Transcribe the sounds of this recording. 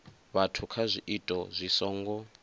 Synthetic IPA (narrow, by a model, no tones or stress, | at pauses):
βatʰukʰazʷiʔitʼɔzʷisɔːŋɡɔ